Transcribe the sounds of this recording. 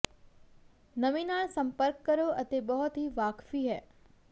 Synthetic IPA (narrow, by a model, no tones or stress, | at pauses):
nəʋinasə̃mpəɾkːəɾjoʔət̪ebəɦʊt̪ʰiʋakfiɦɛː